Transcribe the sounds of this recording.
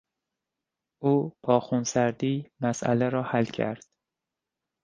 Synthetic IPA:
ʔuːb̥ʰɒːxunsæɾd̪iːmæsʔæ̰leɾɒːhælcʰæ̰ɾd̪̥

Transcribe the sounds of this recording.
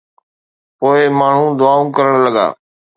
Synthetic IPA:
poːɪmaːɳ̤ũːd̪ʊaːũːkəɾəɳləɠa̰ː

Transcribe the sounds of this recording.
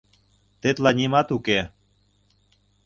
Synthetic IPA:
t̪et̪lɑnʲimɑt̪uke

